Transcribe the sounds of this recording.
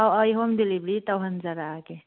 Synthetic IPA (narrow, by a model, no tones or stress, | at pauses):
awajɦɔmdilibɾitawɦanzaɾake